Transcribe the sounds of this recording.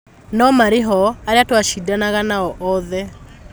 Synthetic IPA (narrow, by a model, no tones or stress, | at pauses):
nɔmaɾeɦɔaɾeatwaʃidanaɣanaɔʔɔðɛ